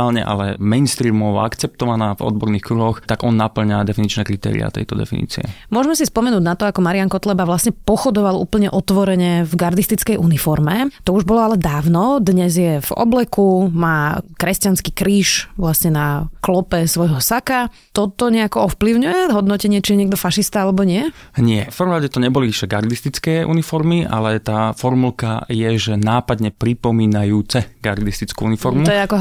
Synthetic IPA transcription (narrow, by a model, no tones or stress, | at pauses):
alɲɛ̰ʔa̰lɛmɛjnst̪ɾiːmɔʋ̰akt͡sɛp̚t̪ɔʋanaːvɔ̰d̪̚bɔɾniːxkɾuɦɔxt̪aɡɔnːapl̩ɲad̪ɛfinit͡ʃnɛkɾit̪ɛ̰ːɾḭa̰t̪ɛ̰jt̪ɔd̪ɛ̰fḭnḭːt͡sḭɛ̰mʊɔʒɛmɛsispɔmɛnuːɟnat̪ɔakɔmaɾiaŋkɔt̪lɛbaʋlasɲɛpɔxɔd̪ɔʋalṵːpl̩ɲɛʔɔt̪ʋɔɾɛɲɛvɡaɾd̪ist̪it͡skɛjʔunifɔɾmɛt̪ɔuʒbɔlɔalɛd̪aːʊnɔd̪ɲɛzjɛvɔ̰blɛkumaːkɾɛscanskikɾiːʃʋlasɲɛnaklɔpɛsʋɔjɦɔsaka | t̪ɔt̪ɔɲɛakɔɔfpliʊɲujɛɦɔd̪nɔcɛɲɪɛt͡ʃijɛɲɪɛɡ̚d̪ɔfaʃist̪aalɛbɔɲɪɛ | ɲɪɛfpəɾʋɔ̃mɾaɟɛt̪ɔɲɛbɔliiʃɛɡaɾd̪ist̪it͡skɛːʔṵnifɔɾmiʔa̰lɛt̪aːfɔɾmulka̰jɛʒɛnaːpad̪ɲɛpɾipɔmiːnajuːt͡sɛɡa̰ɾd̪ist̪it͡skṵunifɔɾmmuɔjɛakɔ